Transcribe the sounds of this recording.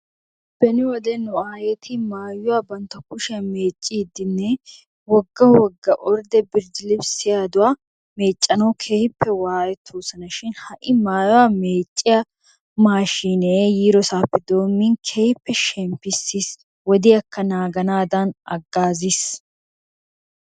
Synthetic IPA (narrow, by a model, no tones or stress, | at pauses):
b̥ɛnɪwɔd̪ɛnʊaːjɛt̪ʰɪmaːjʊwaːbɐnt̪ːɐkʊʃɪɐme̞ːt͡ʃʼːiːd̪ɪnːɛ | wɔɡːɐwɔɡːɐʔɔɾd̪ɛbɪɾd͡ʒɪlɪbsɪjaːd̪ʊwaː | meːt͡ʃʼːɐnɐwkʰeːhɪpːɛwaːjɛt̪ʰːoːsɐnɐʃɪnhɐʔɪmaːjʊwaːmeːt͡ʃʼːɪjɐ | maːʃiːnɛjiːɾɔsaːpːɛd̪o̞ːmːɪnkʰeːhɪpːɛʃɛmpːɪsːis | wɔd̪ɪɐkːɐnaːɡɐnaːd̪ɐnɐ̰ɡːaːzis